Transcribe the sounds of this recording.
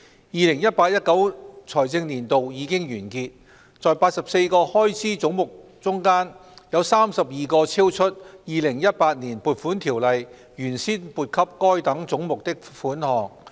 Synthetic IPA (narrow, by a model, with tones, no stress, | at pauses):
jiː˨˧lɪ˨˩ŋjɐ˥t̚paː˧t̚jɐ˥t̚kɐ˨˥wt͡sʰɔː˨˩jt͡sɪ˧ŋniː˨˩nt̪o˨wjiː˨˧kɪ˥ŋjyː˨˩nkiː˧t̚ | t͡sɔː˨jpaː˧t̚sɐ˨p̚se˧jkɔː˧hɔː˥jt͡sʰiː˨˥t͡sʊ˨˥ŋmʊ˨˩k̚ | t͡sʊ˥ŋkaː˥njɐ˨˧wsaː˥msɐ˨p̚jiː˨˩kɔː˧t͡sʰiː˥wt͡ʃʰɵ˥t̚jiː˨˧lɪ˨˩ŋjɐ˥t̚paː˧t̚niː˨˩npuː˨t̚fuː˨˥nt̪ʰiː˨˩wlɐ˨j | jyː˨˩nsiː˥npuː˨˩t̚kʰɐ˥p̚kɔː˥jt̪ɐ˨˥ŋt͡sʊ˨˥ŋmʊ˨k̚t̪ɪ˥k̚fuː˨˥nhɔː˨˩ŋ